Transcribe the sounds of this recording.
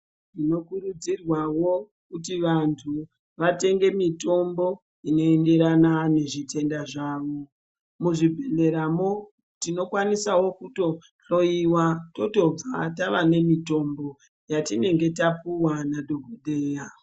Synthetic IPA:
tino̞kuɾud͡zirwawo̞ | kutiʋantʰu | ʋate̞ŋɡe̞mito̞mbo̞ | ino̞ende̞ɾanane̞ʐitʰe̞ndaʐaːʋo̞ | muʐibʱe̞le̞ɾamo | tino̞kwanisawo̞kuto̞ | ɬo̞iwato̞to̞b͡vataʋane̞mito̞mbo̞ | jatine̞ŋɡe̞tapuwanadoɡʱoɗeːja

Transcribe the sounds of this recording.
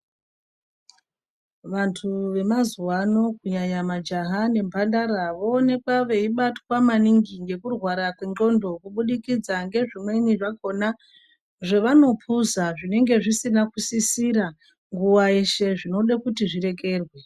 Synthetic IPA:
ʋantʰuʋe̞mazuwano̞kuɲaɲamad͡ʒaɦane̞mbʱandaɾaʋoone̞kwaʋe̞iɓatwamaniŋɡiŋɡe̞kurwaɾakweŋɡo̞ndo̞kuɓuɗikid͡zaŋɡe̞ʐimwe̞niʐako̞na | ʐeʋano̞pʰuzaʐine̞ŋɡe̞ʐisinakusisiɾa | ŋɡuwaeʃe̞ʐino̞ɗakutiʐiɾe̞k̬e̞ːrwe̞

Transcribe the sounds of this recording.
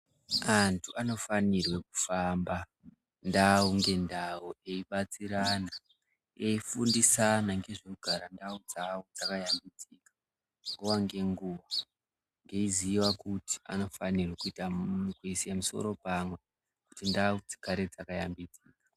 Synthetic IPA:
antʰuano̞fanirwe̞ku̥famba | ndauŋɡe̞ndawuʔe̞iɓat͡siɾana | eifundisanaŋɡe̞ʐikuɡʱaɾandaud͡zaod͡zakajambid͡zikḁ | ŋɡowaŋɡe̞ŋɡuʋa | ŋɡe̞iziiwakuti̥a̰no̞fanirwekuitakuisiamuso̞̰ɾo̞pamwe̞ | ku̥tindaud͡zi̥kʰaɾed͡zakajambid͡ziːkḁ

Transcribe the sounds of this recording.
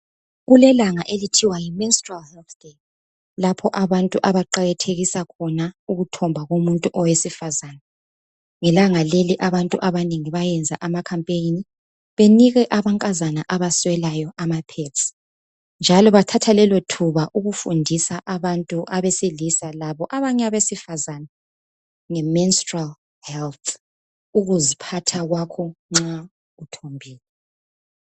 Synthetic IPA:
ɣulɛlaŋaʔelitʰiwajiminstʼralhɛlθke | lapʰɔʔaβantʼuʔaβaǃaɣatʰeɣisakʰɔnauɣutʰɔmbʱaɣomuntʼuʔɔwesifazana | ŋɛlaŋaleliʔaβantʼuʔaβaneŋiβajɛnd͡zʱaʔamakʰampʼeni | βeniɣɛʔaβaŋkʼazanaʔaβaswɛlajɔʔamapʰetsʼi̥ | nd͡ʒʱalɔβatʰatʰalɛlotʰuβaʔuɣufundʱisaʔaβantʼuʔaβesilisalaβɔʔaβaɲaβesifazana | ŋɛminstʼral | hɛlt̪ʰ | uɣuzipʰatʰaɣwakʰɔŋ͡ǁa | utʰombʱiːlɛ

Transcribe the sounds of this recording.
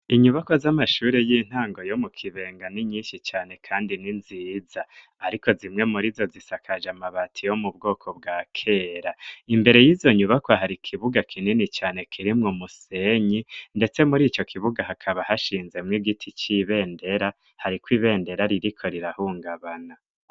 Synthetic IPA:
iɲuβakozamaʃuːɾe̞jiːn̥haːŋɡo̞jo̞mukʰiβe̞ːŋɡaniɲiːnʃit͡ʃaːne̞kʰaːndininziːzaː | ɾiko̞zimŋe̞muɾizo̞zisakʰaʒamaβatʰijo̞mubɡo̞ːkʰo̞bɡaːkʰe̞ːɾaimbe̞ɾe̞jizo̞ɲuβakwaɦaɾikʰiβuɡakʰininit͡ʃaːne̞kʰiɾimŋomuse̞ːɲinde̞t͡se̞muɾiːt͡ʃo̞kʰiβuɡaɦakʰaβahaʃiːnze̞mŋiɡitʰit͡ʃiβe̞ːnde̞ɾa | haɾikwiːβe̞ːnde̞ɾaɾiɾikʰo̞ɾiɾahuːŋɡaβana

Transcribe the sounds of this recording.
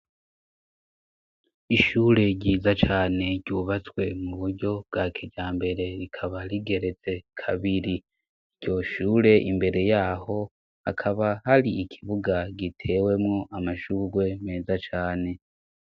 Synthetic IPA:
iʃuːɾe̞ɟiːzat͡ʃaːne̞ɟuːβat͡swe̞muβuɾɟo̞b̚ɡaːkʰeɟaːmbe̞ɾe̞ɾikʰaβaliɡe̞ɾe̞t͡se̞kʰaβiɾi | ɟ̥o̞ʃuːɾe̞ʔimbe̞ɾe̞jaːho̞ | a̰kʰaβahaɾiikʰiβuɡaɟitʰe̞ːwe̞mŋo̞ʔamaʃuːɾwe̞meːzat͡ʃaːne̞

